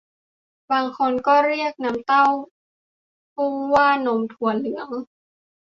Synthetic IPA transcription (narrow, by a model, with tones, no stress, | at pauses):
baː˧ŋkʰo˧nkɔː˥˩ɾi˥˩ək̚na˧˦˥mt̪a˥˩w | pu˥˩ŋwaː˥˩no˩˦mt̪ʰu˨˩˦ənːɯ˩˦əŋ